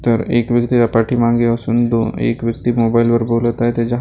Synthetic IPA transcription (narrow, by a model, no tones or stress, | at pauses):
t̪ɐɾeːkʋjɐk̚t̪iapaːʈʰimãːŋɡeɔːɾsʊnd̪o̰ːḛːkʋjɐk̚t̪imoːbaːɪlpɐɾboːlat̪aɦɛt̪ʰed͡ʒɐɦ